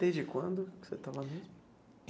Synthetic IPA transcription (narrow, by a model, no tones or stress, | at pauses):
d̪̥ezd͡ʒɪkwɐ̃nd̪ʊset̪avɐnũ